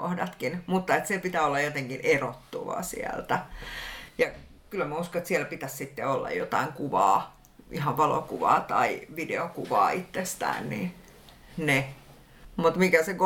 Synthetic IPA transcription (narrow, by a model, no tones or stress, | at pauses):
ohdɑt̪kinmut̪ːɑet̪sepit̪æːolːɑjot̪eŋkinʔerot̪ːuʋɑ̰sḭæ̰lt̪æ | jɑ | kylːæmæuskoet̪siælpit̪æssit̪ːeolːɑ̰jjot̪ɑiŋkuʋɑː | ʔihɑʋʋɑlo̰kuʋɑ̰ːt̪ɑiʋidḛokuʋɑ̰ːit̪ːest̪æ̰ːnnḭ | ne | mut̪mikæseko